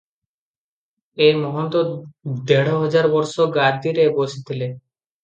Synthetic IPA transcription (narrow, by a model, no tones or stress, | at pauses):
eɾmɔɦont̪od̪eɽoɦɔd͡ʑaɾbɔɾʃoɡaɾd̪iɾeboʃit̪ʰile